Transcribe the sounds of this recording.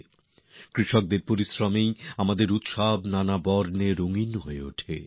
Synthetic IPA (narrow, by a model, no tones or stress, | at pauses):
kɾiʃok̚d̪eɾpoɾisɾomejamad̪eɾut̪ʃabnanabɔɾneɾoŋinɦoeo̰ʈʰḛ